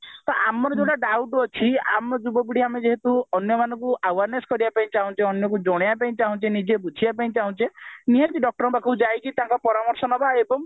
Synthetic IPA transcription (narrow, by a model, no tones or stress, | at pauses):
t̪ɔʔamɔɾɔd͡ʒõʈaɖawʈɔt͡ʃʰia̰mɔd͡ʒubɔbiɽiamed͡ʒeɦet̪uɔnjɔmanɔ̃ŋkuawaɾneskɔɾibapaĩt͡ʃaɦũt͡ʃeɔnjɔk̬ud͡ʒɔɽ̃ejapaĩt͡ʃaɦũt͡ʃʰenid͡ʒebud͡ʒʱʰibapaĩt͡ʃaɦũt͡ʃeniɔkiɖɔk̚ʈɔɾɔpakʰud͡ʒajkit̪ãŋkɔpɔɾamɔɾsɔnɔbʱaebɔŋ